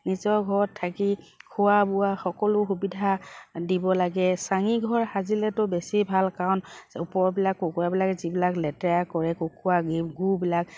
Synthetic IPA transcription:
nizɔɡʱɔɹɔtʰːaki | kʰʊwabʊwaxɔkɔlʊxubidʱadibɔlaɡɛsaŋiɡʱɔɹxazilɛtʊbesibʱalkaɔnupɔɹɔbilakːokuabilakzibilaklɛtɛakɔɹɛkokuaɡiɡubilak

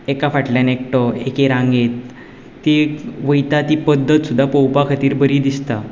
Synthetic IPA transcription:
ekafaʈljanek̚ʈɔḛkeɾãŋɡet̪ː | iʋəjt̪at̪ipəd̪ʱːət̪sud̪ʱːapəwpakʰat̪iːɾbəɾiːd̪ist̪a

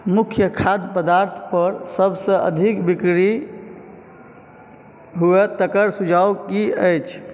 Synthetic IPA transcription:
mukʰjəkʰad̪pəd̪aɾt̪ʰpəɾsəbsə̃ʔə̰d̪ʱikbikɾi | ɦuet̪əkəɾsud͡ʒʱawkiəjt͡ʃʰ

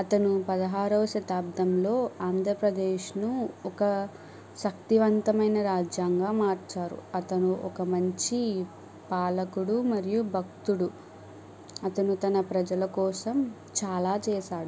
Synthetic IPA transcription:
ɐt̪ɐnupɐd̪ɐɦaːɾɐʋɐʃɐt̪aːbd̪ʱɐmlo̞ːaːnd̪ʱɾɐpɾɐd̪eːʃnuɔkɐ | ʃɐk̚t̪iʋɐnt̪ɐmɐjnɐɾaːd͡ʒjaːŋɡaːmaːɾt͡ʃaːɾṵɐt̪ɐnuʔɔkɐmɐɲt͡ʃi | paːlɐkuɽumɐɾijubʱɐk̚t̪uɽu | ɐt̪ɐnut̪ɐnɐpɾɐd͡ʒɐlɐkɔːsɐm | t͡ʃaːlaːt͡ʃɛːʃaːɽu

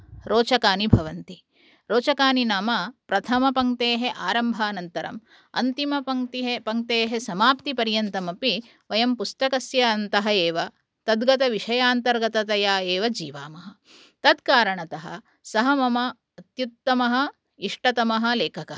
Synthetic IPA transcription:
ɾoːt͡ʃɐkaːnibʱɐʋɐnt̪i | ɾoːt͡ʃɐkaːninaːmɐpɾɐt̪ʰɐmɐpɐŋt̪eːɦeʔaːɾɐmbʱaːnɐnt̪ɐɾɐ̰m | ɐ̰nt̪imɐpɐŋt̪iɦepɐŋt̪eːɦesɐmaːpt̪ipɐɾjɐnt̪ɐmɐpi | ʋɐjɐmpust̪ɐkɐsjɐːnt̪ɐɦɐeːʋɐ | t̪ɐd̪ɡɐt̪ɐʋiʂɐjaːnt̪ɐɾɡɐt̪ɐt̪ɐjaːeːʋɐd͡ʒiːʋaːmɐɦɐ̆ | t̪ɐd̪kaːɾɐɳɐt̪ɐɦɐ̰ | sɐɦɐmɐmɐː | t̪jut̪ːɐmɐɦɐ̆ | iʂʈɐt̪ɐmɐɦɐ̆leːkʰɐkɐɐ

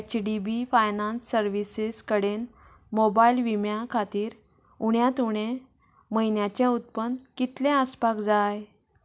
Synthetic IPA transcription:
t͡ɕɖibifajnãnsːəɾʋisiskəɽen | mobailʋimjakʰat̪iːɾ | uɳjat̪uɽ̃ẽ | məjnjat͡ɕẽut̪̚pənkit̪lẽəspakd͡zaj

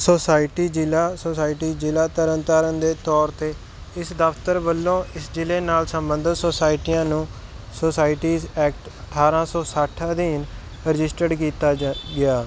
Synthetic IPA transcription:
soːsaːɪʈiːd͡ʒɪlaːsoːsaːɪʈiːd͡ʒɪlaːt̪əɾənt̪aːɾənd̪eːt̪ɔːɾt̪eː | ɪsd̪əft̪əɾbəlːõːɪsd͡ʒɪleːnaːlsəmbənd̪ʱət̪soːsaːɪʈiːãːnũː | soːsaːɪʈiːzɛːk̚ʈəʈʰːaːɾãːsɔːsəʈʰəd̪iːn | ɾɪd͡ʒɪsʈəɖkiːt̪aːɡɪaː

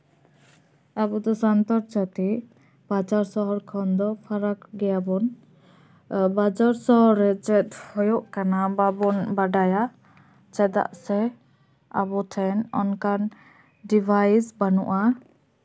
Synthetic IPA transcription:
abɔd̪ɔsant̪ɔɾt͡ʃat̪i | bad͡ʒaɾsɔɦɔɾkʰɔnd̪ɔpʰaɾakɡɛjabɔn | bad͡ʒaɾsɔɦɔɾːɛt͡ʃɛt̪̚hɔjɔʔkanababɔnbaɖaja | t͡ʃɛd̪a̰ʔsɛ | a̰bɔt̪ʰɛnɔ̰nkan | ɖibʱajsbanṵʔa

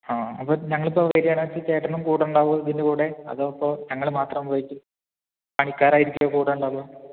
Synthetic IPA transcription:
aːɐpːoːɲɐŋːɐɭupːoʋeɾijaːɳʋɐt͡ɕːɨt͡ɕeːʈːrɐnumkuːɽɐuɳɖaːʋuɣɐðɐðinːdekuːɽe̞ɐ̰ðopːoɲɐŋːɐɭmaːt̪rɐmʋoːjikʲːu | paːɳikʲːaːɾaːjiɾikʲːuɣɐkuːɽeuɳɖaːʋoː

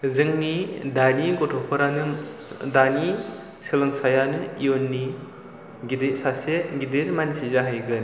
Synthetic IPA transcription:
zɯŋnidaniɡɔtʰɔpʰɯɾanɯdani | sɯlɯŋsajanɯijonːi | ɡidisaseɡidiɾmanisizaɦɯjɡɯn

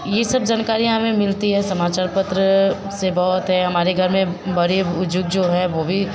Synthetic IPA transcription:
jesɐbd͡ʒaːnkaːɾijãɦmẽmɪlt̪iɦɛsɐmaːt͡ʃaːɾpət̪ɾə | sebɔɦt̪ɦɛɦɐmaːɾeɡʱɐɾmẽbɐɾeʊd͡ʒʊɡ̚d͡ʒoːɦɛʋoːbʱi

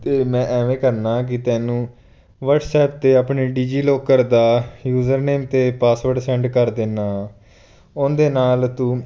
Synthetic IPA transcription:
t̪eːmɛ̃ːʔɛːʋẽːkəɾnaːk̬ɪt̪ɛːnũː | ʋəɖsɛːp̚t̪eːapɳeːɖiːd͡ʒiːloːkəɾd̪aːjuːzəɾneːmt̪eːpaːsʋəɾɖsɛ̃ːɳɖkəɾd̪ɪnaː | ʊ̃nd̪eːnaːlt̪uː

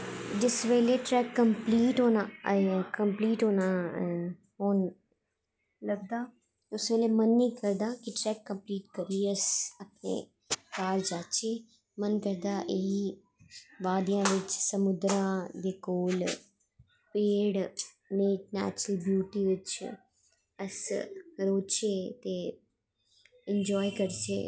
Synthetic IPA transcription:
d͡ʒɪsʋeːleʈɾɛːkːəmpliːʈɦoːnakɐmpliːʈɦoːna | ɦoːn | lɐɡ̚d̪aː | ʊsʋeːlemɐnːĩːkɐɾd̪akiʈɾɛːkːə̃mpliːʈkəɾiəsɐpnḛ | kaːld͡ʒaːt͡ʃe | mənkəɾd̪aːʔɪɦi | ʋaːd̪jãːʋɪt͡ʃsəmʊd̪ɾãːd̪eːkoːl | peːɽ | neːʈnɛ̰ːt͡ʃɾəlbjuːʈiːʋɪt͡ʃ | əsɾoːt͡ʃeːt̪eː | ɪnd͡ʒɔːikəɾt͡ʃḛː

